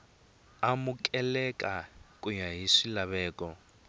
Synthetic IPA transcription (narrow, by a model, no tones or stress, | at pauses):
amukʼɛlɛkʼakʼuɲaɦiʂilaβɛːkʼɔ